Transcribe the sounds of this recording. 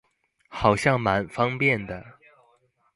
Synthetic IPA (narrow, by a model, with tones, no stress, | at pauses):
xɑ˨˩ʊɕjɑ˥˩ŋma˧˥nfɑ˥ŋpjɛ˥˩nd̪ə˩